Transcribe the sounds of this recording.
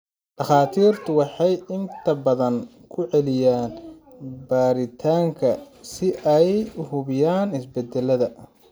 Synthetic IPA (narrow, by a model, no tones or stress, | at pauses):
ɖɑχaːt̪ʰiːrt̪ʰʊwɑħɑjɪnt̪ʰɐbɐðɐŋ | kʰʊʕɛlɪjaːnbaːɾɪt̪ʰaːŋkʰɐ | sɪʔɛjʊhʊβɪjaːnɪsbɛd̪ɛlɐðɐ